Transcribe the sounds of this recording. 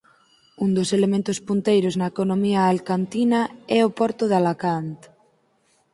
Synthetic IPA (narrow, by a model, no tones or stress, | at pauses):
und̪oselemẽnt̪ospunt̪ejɾoznaekonomiaːlkant̪inaɛopɔɾt̪ʊðalakant̪